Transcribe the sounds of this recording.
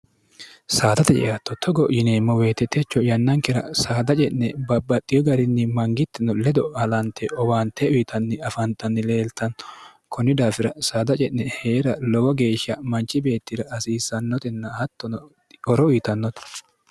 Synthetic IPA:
saːt̪ɐt̪ɛt͡ʃɛ̰ɐt̪ːɔt̪ʰːɔɡɔʔjɪnemːɔwe̞ːt̪ɛt̪ːɛt͡ʃːɔjɐnːɐŋkɛɾɐ̰saːd̪ɐt͡ʃʼɛʔnɛbɐbːɐt̪ʼːɪjɔɡɐɾɪnːɪmɐŋɡɪt̪ːɪnːɔlɛd̪ɔhɐlɐnt̪ːɛʔɔwaːnt̪ɛʔʊjɪt̪ʰɐnːɪɐfɐnt̪ɐnːɪle̞ːlt̪ɐn | kʰɔnɪd̪aːfɪɾɐsaːd̪ɐt͡ʃʼɛʔnɛheːɾɐlɔwɔɡe̞ːʃːɐmɐnt͡ʃʼːɪbe̞ːt̪ːɪɾɐːsiːsɐnːɔt̪ɪnːɐhɐt̪ːɔn | ɔɾɔʊjːt̪ɐnːɔt̪

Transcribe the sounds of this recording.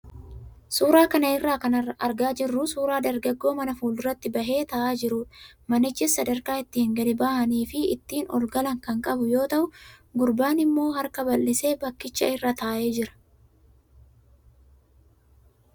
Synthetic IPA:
suːɾaːkɐnɐɪrːaːkɐnɐrːɐʔɐɾɡaːd͡ʒɪrːʊsuːɾaːd̪ɐɾɡɐɡːo̞ːmɐnɐfuːlɪrːɐt̪ːɪbɐɦe̞ːt̪ɐʔaːd͡ʒɪɾuːᶑɐ̥mɐnɪt͡ʃːɪsːɐd̪ɐɾkaːɪt̪ːɪhɪŋɡɐd̪ɪbaːhɐniːfɪɪ̰t̪ːiːnɔ̰lɡɐlɐŋkɐŋkʼɐbʊjo̞ːt̪ɐʔʊɡʊɾbaːnɪmːo̞ːɦɐɾkɐbɐlːɪse̞ːbɐkːɪt͡ʃːɐɪrːaːt̪aːʔe̞ːd͡ʒɪɾɐ̥

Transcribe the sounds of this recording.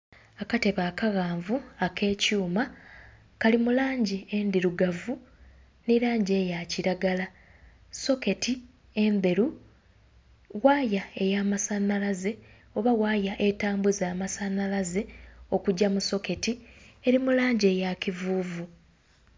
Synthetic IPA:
akate̞βaːkaɣaːɱvuakʰe̞ːcuːma | kalimulaːɲɟiend̪iɾuɡavu | niɾaːɲɟe̞ːjaciɾaɡala | so̞ke̞tʰi | e̞nde̞ɾu | waːjae̞jaːmasanːalaze̞ | o̞βaɣwaːjaʔe̞taːmbuzaːmasanalaze̞o̞kuɟːamuso̞ke̞tie̞ɾimulaːɲɟeːjacivuːvu

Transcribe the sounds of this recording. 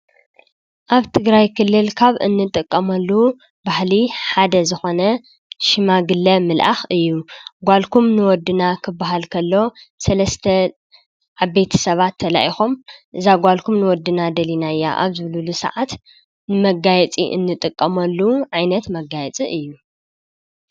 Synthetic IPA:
ʔaβt̪ʰɨɡɾajkʰɨlːɨlkʰaβɨ̰nːɨt̪ʼɨkʼːɐmɐlːu | bahliħad̪ɐzɨxo̞nɐ | ʃɪmaɡɨlːɐmɨlʔa̰xɨjːuɡʷalkʰumnɨwɔd̪ːɨnakʰɨbːaɦalkʰɐlːo̞sɐlɐst̪ʰɐ | ʕaβːejt̪ʰɐ̥sɐβat̪ʰːɐla̰ʔixomʔɨzaɡʷalkʰumnɨwɔd̪ːɨnad̪ɐlinajːa̰ʔa̰βzɨβlɨlusɐ̰ʕat̪ | nɨmɐɡajɛt͡sʼḭʔɨ̰nːɨt̪ʼɨkʼːɐmɐlːuʕajnɐt̪mɐɡajɛt͡sʼiʔɨjːu

